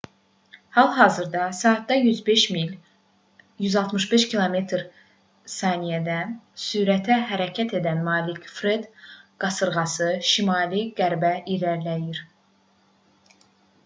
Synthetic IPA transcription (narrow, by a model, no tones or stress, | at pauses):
hɑlˠɦɑːzɯɾd̪ɑsɑːt̪̚d̪ɑjyzbe̞ʃmil | jyzɑlˠt̪mɯʃbe̞ʃcʰilˠome̞t̪ʰɾ | sɑnijæd̪ænsyːɾæt̪ʰæɦæɾæcʰæt̪ʰe̞d̪ænmɑːlikfɾed̪ɡ̥ɑsɯɾɣɑsɯʃimɑːliɡæɾbæiɾæɾlæjiɾ